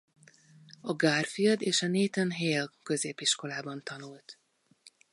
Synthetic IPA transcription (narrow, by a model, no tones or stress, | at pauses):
ɒɡaːrfijɒd̪eːʃɒneːt̪ɛnɦeːlkø̞zeːpiʃko̞laːbɒnt̪ɒnult̪